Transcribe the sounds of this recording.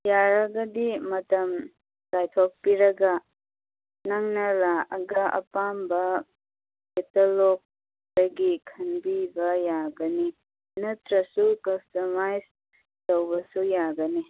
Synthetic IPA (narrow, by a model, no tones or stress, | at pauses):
jaɾɐɡɐdimɐtɐm | lajtʰok̚piɾɐɡɐ | naŋnɐlaɐɡɐʔɐ̰pambɐ | ketolok̚ | aɡikʰɐnbibɐjaɡɐni | nɐtɾɐsukɐstomajs | tɐwbɐsujaɡɐni